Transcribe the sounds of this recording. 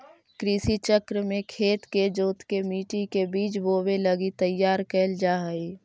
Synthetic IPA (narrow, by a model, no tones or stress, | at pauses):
kɾisit͡ʃəkɾəmẽkʰeːt̪ked͡ʒoːt̪kemiːʈikebiːt͡ʃboːbeləɡit̪əjːaːɾkɛld͡ʒaːɦəi